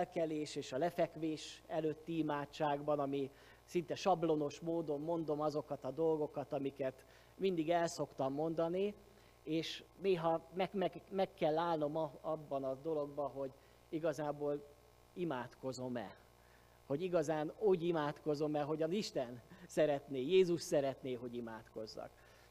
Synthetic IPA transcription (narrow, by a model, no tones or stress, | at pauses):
ɛlkɛleːʃeːʃɒlɛfɛkʋeːʃɛløt̪ːiimaːt͡ʃːaːɡbɒnɒmi | sint̪ɛʃɒblo̞no̞ʃmoːd̪o̞mːo̞n̪d̪o̞mɒzo̞kɒt̪ɒd̪o̞lɡo̞kɒt̪ɒmikɛt̪ | mind̪iɡɛlso̞kt̪ɒmːo̞nd̪ɒni | eːʃneːɦɒmɛmɛmɛkːɛlːaːlno̞mɒbːɒnɒd̪o̞lo̞ɡbɒɦo̞ɟ | iɡɒzaːboːl | imaːt̪ko̞zo̞mɛ̰ | ho̞ɟiɡɒzaːnuːɟimaːt̪ko̞zo̞mɛɦo̞ɟɒziʃt̪ɛnsɛɾɛt̪neːjeːzuʃt̪sɛɾɛt̪neːɦo̞ɟimaːt̪ko̞zːɒ̰k